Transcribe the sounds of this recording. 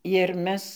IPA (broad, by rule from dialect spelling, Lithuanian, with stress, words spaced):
ɪr ˈmʲɛs